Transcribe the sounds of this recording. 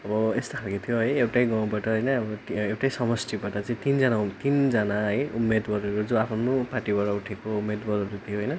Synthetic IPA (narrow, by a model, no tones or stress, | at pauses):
ʌbʌest̪okʰalkot̪ʰijoɦʌjewʈajɡaw̃baʈʌɦʌjnʌːbʌewʈajsʌmʌst̪ʰibaʈʌt͡saĩt̪ind͡zʌnaut̪ind͡zʌnaʌjumːed̪ɡʌɾeɾud͡zoapʰʌnupaʈibaʈʌuʈʰekoumːed̪bʌɾoɾut̪ʰijoɦʌjnʌ